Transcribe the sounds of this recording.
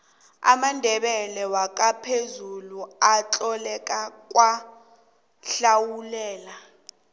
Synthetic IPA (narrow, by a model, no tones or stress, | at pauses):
a̰mandʱɛɓɛlɛwak̬ʼapʰezuluat͡ɬʼɔlɛkʼak̬ʼwa | ɬawulɛːla